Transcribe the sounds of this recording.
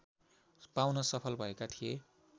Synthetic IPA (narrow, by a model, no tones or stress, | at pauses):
pawnʌsʌpʰʌlbʱʌekat̪ʰije